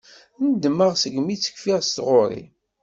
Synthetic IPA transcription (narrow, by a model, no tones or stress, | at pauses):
nəd̪mːəʁsəɡmit͡sːə̥kfiʁst̪ʁoɾˤḭ